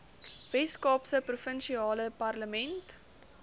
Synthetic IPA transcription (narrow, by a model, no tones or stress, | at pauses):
vɛskɑːpsəprufənʃiɑːləpɐrləmɛnt